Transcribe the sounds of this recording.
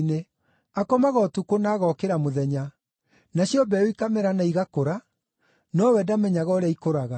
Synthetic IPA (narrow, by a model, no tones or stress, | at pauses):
ne | akɔmaɣɔtukonaːɣɔkeɾamoðɛɲa | naɕijɔbɛoikamɛɾanaiɣakoɾa | nɔwɛdamɛɲaɣɔɾeaikoɾaɣa